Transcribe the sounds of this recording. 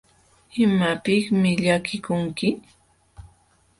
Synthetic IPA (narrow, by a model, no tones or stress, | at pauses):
ɪmapɪkmɪʎakɪkʊŋkɪ